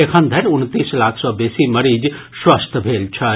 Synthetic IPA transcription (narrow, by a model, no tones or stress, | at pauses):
ekʰənd̪ʱɐɾʊnt̪iːslaːkʰsɔːbeːsimɐɾid͡ʒ | swəst̪ʰbʱeːlt͡ʃʰɐ